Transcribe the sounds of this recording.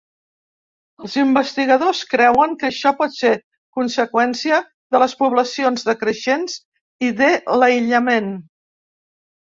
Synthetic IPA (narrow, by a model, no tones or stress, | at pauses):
əlˠzimbəst̪iɣəðoskɾɛwəŋkəʃɔpɔt̪se | kunsəkwɛnsiə | ðələspuβləsionzðəkɾəʃenz | iðeləiʎəmen